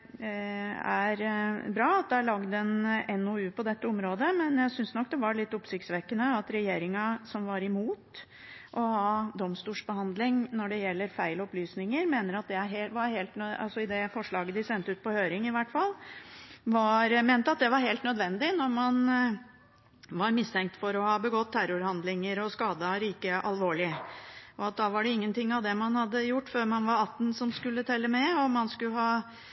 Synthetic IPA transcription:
ɛæɾbɾɑːɑt̪̚d̪ɛæɭɑɡd̪ɛnɛnːɔʉːpʰɔd̪ɛt̪ːəɔmɾoːd̪əmɛnjæɪsʏnsnɔkːd̪ɛʋɑɭɪt̪ːɔpsɪk̚sʋɛkːənəɑt̪ɾɛjeːɾɪŋɑsɔmʋɑɾɪmuːt̪ | ʔɔhɑd̪ɔmst̪uːʂbəhɑnd̪lɪŋnɔɖɛjɛlːəɾfæɪlɔplyːsnɪŋəɾmeːnəɾɑt̪̚d̪ɛæɾɦeʋɑɾheːlt̪nɑ̰lsɔɪd̪ɛfɔʂɭɑːɡəd̪ɪsɛnt̪əʉːt̪̚pʰɔhøːɾɪŋɪʋæʈfɑlː | ʋɑɾmeːnt̪əɑt̪̚d̪ɛʋɑɾɦeːlt̪nœd̪ʋɛnd̪ɪnɔɾmɑn | ʋɑɾmɪst̪ʰɛŋk̚t̪fɔɾɔhɑːbəɡɔt̪ːʰæɾʊɾhɑnd̪lɪŋəɾɔskɑːd̪əɾiːkəʔɑlʋoːɭɪʔɔɑt̪̚d̪ɑʋɑɖɛɪŋːənt̪ɪŋːɑʋd̪ɛmɑnhɑd̪ːəjʊʈːføːɾmɑnʋɑɾɑt̪ːn̩sɔmskʉlːət̪ʰɛlːəmɛɔmɑnskʉləɦɑː

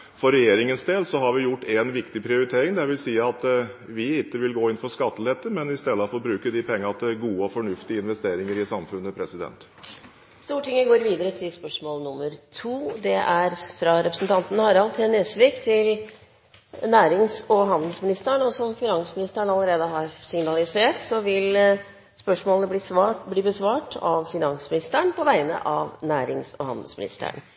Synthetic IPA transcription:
fɔɾɛjeːɾɪŋənsd̪eːlsɔɦɑɾʋɪjʊʈːɛnʋɪkt̪ɪpʰɾɪʊɾɪt̪ʰeːɾɪŋd̪ɛʋɪlsiːəɑt̪ʋɪɪt̪ːəʋɪlɡoːɪnfɔʂkɑt̪ːəlɛt̪ːəmɛnɪst̪ɛd̪ːəfɔɾɔbɾʉːkəd̪ɪpʰɛŋːəɑt̪ɡuːəɔfɔɳʉft̪ɪəɪnʋɛst̪eːɾɪŋəɾɪsɑmfʉnːəpʰɾɛsɪd̪ɛ̰nt̪ | st̪uːʈɪŋːəɡoːɾʋiːd̪əɾət̪ʰɪlspœʂmoːlnʊmːəɾt̪ʰuːd̪ɛʔæɾfɾɑɾɛpɾə̥snt̪ɑnt̪ənəhɑɾɑlt̪ʰɛneːsʋɪːkt̪ʰɪl | næːɾɪŋsɔɦɑnd̪l̩smɪnɪst̪əɳɔsɔmfɪnɑnsmɪnɪst̪əɳɑləɾeːd̪əɦɑɾsɪŋnɑlɪseːʈsɔʋɪl | spœʂmoːlnəbliːbliːbəsʋɑːʈʰɑ̰ʋfɪnɑnsmɪnɪst̪əɳpʰɔʋæɪnə̰ʔɑʋnæːɾɪŋsɔ̰hɑ̰nd̪əl̩smɪnɪ̰st̪ə̰ɳ

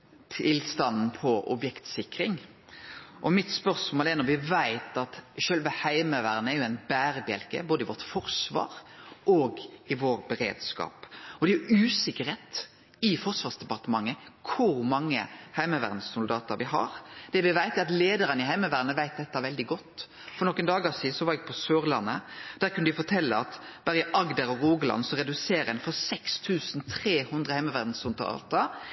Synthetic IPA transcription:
t̪ʰɪlst̪ɑnn̩pʰɔʔɔ̰bjɛkt̪sɪkɾɪŋ | ʔɔmɪt̪spœɾsmoːlɛnɔɾʋɪʋæɪt̪ɑt̪ʃœlʋəhæɪməʋæːɾnəæɾjʊæɪnbæːɾəbjɛ̰lkə̰boːd̪əɪʋɔʁt̪fɔɾsʋɑ̰ːɾoːɡɪʋoːɾbɛɾḛːd̪skɑ̰ːpɔd̪ɛæʉːsɪkːəɾheːt̪ | ɪfɔʁʂʋɑːʁsd̪ɛpɑɾt̪əmɑŋːəkʰʊɾmɑŋːə̰hæɪməʋæ̰ːʁd̪n̩ssʊld̪ɑːt̪əɾʋɪɦɑ̰ɾd̪̥ɛʋɪʋæɪt̪əɑt̪leːd̪əɾənɪɦæɪməʋæɾnəʋæɪt̪̚d̪ɛt̪ːɑʋɛld̪ɪɡɔt̪ː | fɔɾnɔkːənd̪ɑːɡɑʋsiːd̪n̩sɔʋɑːɾɛɡ̚pʰɔsøːɾlɑnːəd̪̥æːɾkʉnʋɪfɔt̪ʰɛlːəɑt̪b̥ɑːɾɛʔɑɡd̪əɾɔɾuːɡlɑ̰nsɔɾɛd̪ʉseːɾəɛnfɔɾsɛkst̪ʰʉːsnt̪ʰɾeːhʉnd̪ʁəhæɪməʋæːɾd̪n̩sʊlt̪ɑ̰ɑ̰lt̪ɑ

